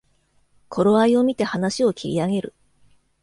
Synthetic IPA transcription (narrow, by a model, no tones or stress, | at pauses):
kʰo̞ɾo̞aio̞mʲit̪e̞hanaɕio̞kʲʰiɾʲḭaɡe̞ɾɯ̟̰